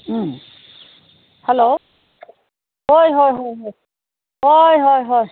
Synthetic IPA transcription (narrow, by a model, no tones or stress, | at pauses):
hɛlo | ɦojɦojɦojɦoj | ɦojɦojɦoj